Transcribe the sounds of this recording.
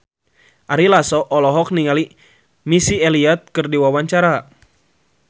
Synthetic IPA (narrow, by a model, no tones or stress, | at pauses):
ʔaɾilasɔʔɔlɔɦɔk̚niŋali | misiɛliat̪̚kɨrdiwawaɲt͡ʃaɾa